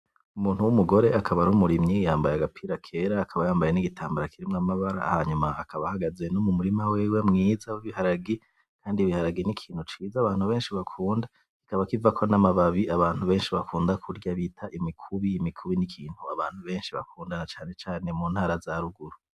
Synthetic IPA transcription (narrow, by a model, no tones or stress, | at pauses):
umuːnhuwumuɡo̞ɾe̞akʰaβaɾumuɾimɲijaːmbajaɡapʰiːɾakʰe̞ɾaːkʰaβajaːmbaje̞niɡitʰaːmbaɾakiɾimŋamaβaɾa̰haɲumaakʰaβahaɡaze̞numumuɾimaweːwemŋiːzawiβihaɾaɡi | kʰaːndiβihaɾaɡinikʰiːn̥hut͡ʃiːzaːβaːn̥huβe̞ːnʃiβakʰuːnda | ki̥kaβakivakʰo̞namaβaβiʔaβaːn̥huβe̞ːnʃiβakʰuːndakʰuɾɟaβitʰaʔimikʰuβiːmikʰuβinikʰiːn̥huaβaːn̥huβe̞ːnʃiβa̰kuːndanat͡ʃaːne̞t͡ʃaːne̞muːnhaːɾazaɾuɡuɾu